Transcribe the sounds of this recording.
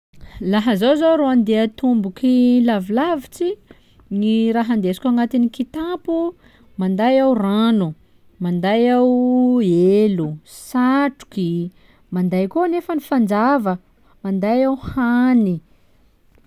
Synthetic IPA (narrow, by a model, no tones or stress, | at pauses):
laɦəzawzoɾoand̪eət̪umbukilavilavit͡si | niɾaɦand̪esi̥kʲaŋat̪inikit̪apu | mand̪ajawranu | mand̪ajawelusaʈ͡ʂu̥ki | mand̪ajkonefənifand͡ʒavə | mand̪ajawhani